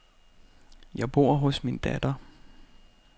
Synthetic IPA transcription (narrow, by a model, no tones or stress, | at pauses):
jɑ̈ɪb̥o̝ɐ̰ɦɔ̽smind̥æd̥ɐ